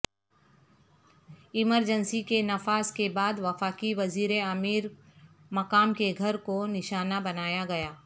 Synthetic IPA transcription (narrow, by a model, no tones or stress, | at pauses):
ɪməɾd͡ʒənsikenɐfaːskebaːd̪ʋɐfaːkiʋɐziːɾeɐmiːɾ | mɐkaːmkeɡʱɐɾkonɪʃaːnabɐnaːjaɡɐjaː